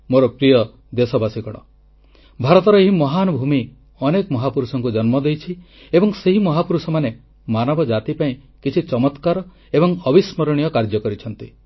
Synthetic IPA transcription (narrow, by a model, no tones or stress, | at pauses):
moɾɔpɾijɔ | d̪esɔbasikɔɽ̃ɔ̰ | bʱaɾɔt̪ɔɾɔeɦimɔɦanɔbʱumi | ɔnekɔmɔɦapuɾusɔŋkud͡ʒɔnmɔd̪ejt͡ʃʰi | ebɔŋseɦimɔɦapuɾusɔmane | manɔbɔd͡ʒat̪ipaĩ | kit͡ʃʰit͡ʃɔmɔt̪kaɾɔ | ebɔŋɔbismɔɾɔɽ̃ijɔkaɾd͡ʒɔkɔɾit͡ʃʰɔnt̪ḭ